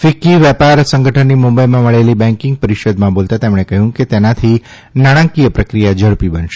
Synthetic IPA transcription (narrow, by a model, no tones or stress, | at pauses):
fikiʋjɛpaɾsə̃ŋɡəʈʰənːimumbəjmãməɭelibɛ̃ŋkɪ̃ŋɡ̚pəɾiʃəd̪mãbolt̪at̪emɽ̃ekəɦjũket̪enat̪ʰi | naɽ̃ãkijəpɾəkɾijad͡ʒəɭpibənʃe̥